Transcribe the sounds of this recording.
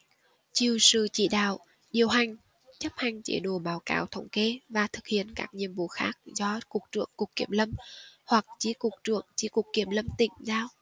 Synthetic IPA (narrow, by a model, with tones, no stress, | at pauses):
t͡ɕi˨˩əwsɨ̰˧˨t͡ɕḭ˧˨ɗa̰ː˧˨w | ɗi˨˩əwɦa˨˩jŋ̟ | t͡ɕə˦˥p̚ha˨˩jŋ̟t͡ɕḛ˧˦ɗo˧˩˦ɓaː˨˦wka̰ː˨˦wt̪ʰə˧˦wŋ͡mke˧vaː˨˩t̪ʰɨ˨˩k̚hḭ˧˨ənkaː˦˥k̚ɲḭ˧˨əmvo̰˧˦xa̰ː˦˥k̚zɔ˧ku˨˩k̚t͡ɕɨ̰˧˨əŋkʊ˨˩kːi˧˩əmlə˧mhwa˨˩k̚t͡ɕi˧˦kʊ˨˩k̚t͡ɕɨ̰˧˨əŋt͡ɕi˧˦ku˨˩kːi˧˩əmlə˧mt̪ḭ̈˧˨ŋ̟zaː˧w